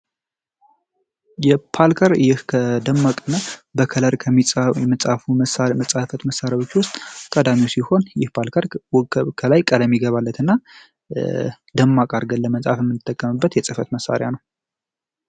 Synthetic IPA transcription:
jɛpʰalkʰəɾjɪhkʰəd̪əmːakʼɨnːabəkʰələɾkʰəmːit͡sʼjmɨt͡sʼafuməsamət͡sʼafət̪məsːaɾjawot͡ʃːwʊst̪ʼk̪ʼəd̪amiwsiho̞njɪhpʰalkʰəɾkʰəlajkʼələmːiɡəβalːət̪ʰɨnːa | d̪̥əmːakʼaɾɡəlːəməsʼa̰fjɛmːɨnːɨt̪ʰːəkʼːəmɨbːət̪jɛsʼɨfət̪məsa̰ɾjanəw

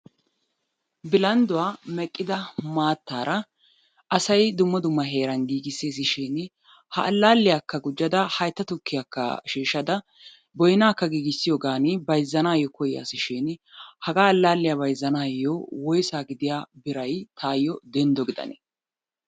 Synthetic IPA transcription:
bɪlɐnd̪ʊwaːmɛkʼːɪd̪ɐmaːt̪ːaːɾɐ | ʔɐsɐjd̪ʊmːɔd̪ʊmːɐɦeːɾɐnɡiːɡɪses̬ɪʃɪn | hɐɐlːaːlːɪjakːɐɡʊd͡ʒːɐd̪ɐhɐjt̪ːɐt̪ʊkːɪjakːɐ̰ʃiːʃɐd̪ɐ | bɔjnaːkːɐɡiːɡɪsːɪjɔːɡaːnɪbɐjzːɐnaːjɔkɔjɪja̰sɪʃɪnhɐɡaːɐlːaːlːɪjabɐjzːɐnaːjːɔwɔjsaːɡɪd̪ɪjaːbɪɾɐjt̪ʰaːjːɔd̪ɛnd̪ɔɡɪd̪ɐ̰nɛ̰

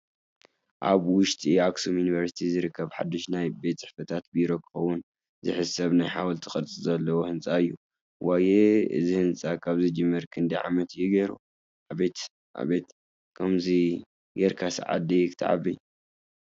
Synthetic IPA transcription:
ʔa̰βwʊʃt̪ʼiaksomjuniβɐɾsi̥t̪ʰizɨɾɨkːɐβħa̰d̪ːoʃnajbe̞t̪t͡sʼɨħfɐt̪ʰat̪̚biɾo̞kʰɨ̥xɐwːʊn | zɨħɨsɐβnajħawɐlt̪ʰɨxʼɐɾt͡sʼɨzɐlːɐwohɨnt͡sʼaɨjːu | wʔajeɨ̰zihɨnt͡sʼakʰaβzɨd͡ʒɨmːɐɾkʰɨnd̪iʕa̰mɐt̪jɪɡɐɾu | ʔaβet̪ | ʔa̰βet̪ | kʰɐmzi | jɛɾkʰasʕa̰d̪ikt̪ʰa̰ʕa̰βi

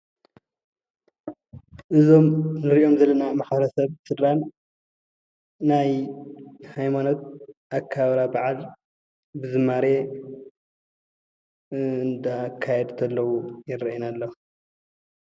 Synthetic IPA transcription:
ʔɨzo̞mnɨɾiʔo̞mzɐlːɐnamaħbɐɾɐsɐβsɨd̪ɾan | aj | hajmano̞t̪̚ʔakʰːaβɾabaʕal | bɨzɨmːaɾe | ɨnd̪akʰːajɛd̪t̪ʰɐlːɐwujɪɾɐʔinalːɐ

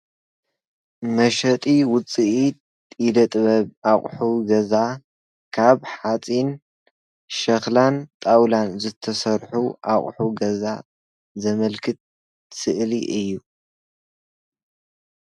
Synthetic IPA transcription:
mɐʃɐt̪ʼiwʊt͡sʼiʔi | t̪ʼilɐt̪ʼβɐβaχʼħuɡɐza | kʰaβħat͡sʼin | ʃɐxlant̪ʼawlanzɨt̪ʰɐsɐɾħuʔaχʼħuɡɐza | zɐmɐlkʰɨt̪̚ | sɨʔliʔɨjːu

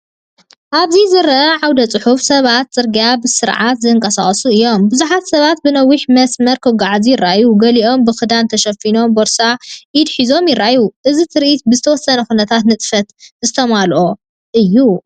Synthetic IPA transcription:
ʔaβzizɨɾɐʔɐʕawd̪ɐt͡sʼɨħufsɐβat̪̚t͡sʼɨɾɡijabɨsɨɾʕat̪zɨɨŋkʼɐsa̰χʼsuɨjːo̞mbɨzuħat̪sɐβat̪̚bɨnɐwiħmɐsmɐɾkʰɨβɡaʕzijɪrːa̰juɡɐliʔo̞mbɨxɨd̪ant̪ʰɐʃɐfino̞mboɾsajɪd̪ħizo̞mjɪrːajuʔɨzit̪ʰɨɾʔit̪̚bɨzɨt̪ʰɐwɔsːɐnɐxunɐt̪ʰat̪nɨt̪ʼfɐt̪zɨt̪ʰɐmalʔo̞ | ʔɨjːu

